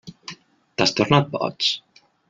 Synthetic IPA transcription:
t̪ast̪oɾnat̪̚bɔ̰t͡s

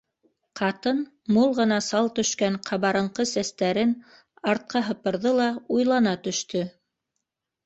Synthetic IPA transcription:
qɑt̪ɤn | mulˠʁɤ̆nɑsɑlˠt̪ɵ̆ʃkæɴqʰɑβɑɾɤ̆ɴqɤsæst̪æɾɘn | ɑɾt̪̚qɑɦɤ̆pɤ̆ɾðɤlˠɑujlˠɑnɑt̪ɵ̆ʃt̪ɵ

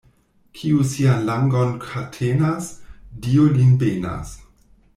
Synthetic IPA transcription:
kʰiusianlaŋɡonkʰatʰenasdiolinbena̰s

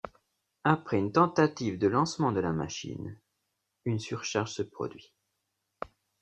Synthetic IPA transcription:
apχɛynt̪ɑ̃t̪at̪ivd̪əlɑ̃smɑ̃d̪əlama̰ʃḭn | ynsyʁʃaʁʒsəpχɔ̰d̪ɥi

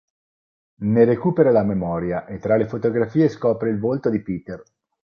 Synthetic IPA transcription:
neɾekuːpeɾalamemɔːɾjaʔet̪ːɾalefot̪oɡɾafiːeskɔːpɾeilvolt̪od̪ipiːt̪er

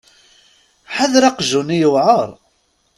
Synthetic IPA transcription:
ħaðɾaqʒunijəwʕəɾˤ

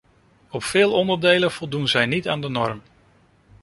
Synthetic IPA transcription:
ɔpfɪːlˠɔndəɹdejlənv̥ɔlˠdunzɛjnitaːndənɔɹm

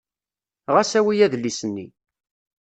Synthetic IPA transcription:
ʁæsæwijæðlisənːi

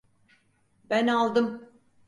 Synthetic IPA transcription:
bænalˠd̪ɯm

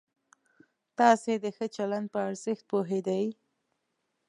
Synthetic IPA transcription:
t̪ɑsed̪əxət͡ʃaland̪̚pəaɾzɪxt̪̚poɦed̪aj

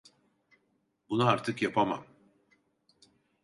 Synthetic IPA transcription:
bunaaɾt̪ʰɯkjapʰama̰m

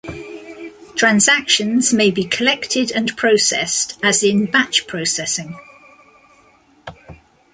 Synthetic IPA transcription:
tʰɹ̥ãnzakʃə̃nz̥meɪbikʰəlɛktʰɪdə̃npʰɹ̥əʊsɛ̰stʰəzɪ̃nbat͡ʃpʰɹ̥əʊsɛsɪ̃ŋ

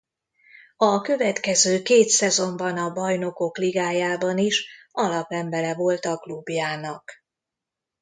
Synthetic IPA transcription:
ɒkø̞vɛt̪kɛzøːkeːt̪sɛzo̞mbɒnɒbɒjno̞ko̞kliɡaːjaːbɒniʃɒlɒpɛmbɛɾɛvo̞lt̪ɒklubjaːnɒk

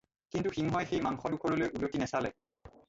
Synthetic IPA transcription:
kintuxiŋɦɔjxejmaŋxɔdukʰɔɹɔlojʔulotinɛsalɛ̰

